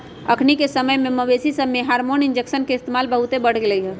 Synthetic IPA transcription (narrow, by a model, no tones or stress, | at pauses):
ə̰kʰnikesəməjmẽməbesisəmːeɦaːɾmoːnɪnd͡ʒeksənkeɪst̪emaːlbəɦut̪ebəɽ̤ɡɪləiɦɛ